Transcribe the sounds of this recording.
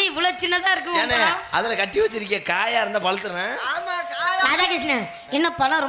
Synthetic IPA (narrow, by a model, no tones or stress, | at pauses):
iʋɐlɐt͡ʃɪnːɐt̪ãːɪɾɯk̬ːɯʋnelãɐðɐlɐkɐʈːiʋɐt͡ʃːɪɾɪk̬ːẽːkaːjaːɪɾɯnd̪ãːpɐlɐt̪ːɯɾnɐ̃ːaːmakaːɐðaːkes̬nɐ | ɛnːɐpɐlɐ̃ɾɔ